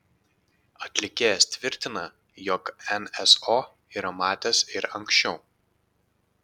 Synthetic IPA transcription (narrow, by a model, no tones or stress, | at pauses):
ɐt̪ʲlʲɪkʲeːjɛst̪ʲʋʲɪɾʲt̪ʲɪnɐ | jɔkɛnɛsoː | iːɾɐmɑːt̪ʲesɪɾɐŋʲkʲsʃʲt͡ʃʲɛʊ